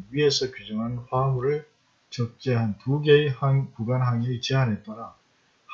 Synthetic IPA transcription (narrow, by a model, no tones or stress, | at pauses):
ɥie̞sʰʌkud͡ʑʌŋɦanɸwamuɾɯɭ | t͡ɕʌk̚t͡ɕ͈eɦantuɡe̞haŋpuɡanɦaŋet͡ɕeanɦe̞t̚t͈ʌɾa | h